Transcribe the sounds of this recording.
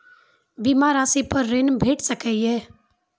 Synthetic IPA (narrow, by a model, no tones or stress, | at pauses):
biːmaːɾaːsipəɾːeːnbʱeːʈsəkɛɛː